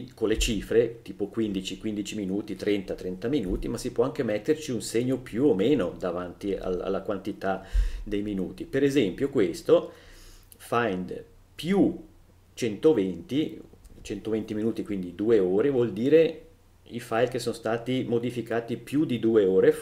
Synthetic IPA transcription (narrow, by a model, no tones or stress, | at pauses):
konlet͡ʃiːfɾet̪iːpokwind̪it͡ʃikwind̪it͡ʃiminuːt̪it̪ɾɛnt̪at̪ɾɛnt̪aminuːt̪imasipwɔaŋk̟emet̪ːert͡ʃiunseɲːopjuomeːnod̪avant̪ia̰la̰lːakwant̪it̪ad̪ejminuːt̪ipeɾezɛmpjokwest̪o | fajnd̪ | pju | t͡ʃɛnt̪ovent̪it͡ʃɛnt̪ovent̪iminuːt̪ikwind̪id̪uːeoːɾevwɔld̪iːɾe | ifajlkesonost̪aːt̪imod̪ifikaːt̪ipjud̪id̪uːeoːɾe